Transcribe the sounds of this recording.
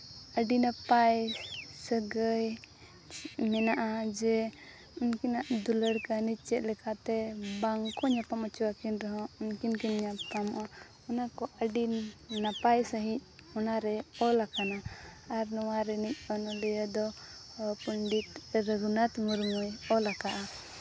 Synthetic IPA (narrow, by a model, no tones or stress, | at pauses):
əɖinapajsəɡəj | mɛnaʔad͡ʒɛ | unkinaʔd̪uləɽkəniˀt͡ʃɛt̪̚lɛkat̪ɛbaŋkɔɲapamɔt͡ʃuwakinɾɛɦɔ̃unkinkinɲapt̪amɔʔa | ɔnakɔʔəɖinːapajsəɦic̚ɔnaɾɛɔlakanaːɾnɔwaɾɛnic̚ˀɔnɔlɛjɔd̪ɔ | pəɳɖit̪ɾəɡunat̪muɾmɔjɔlakaʔa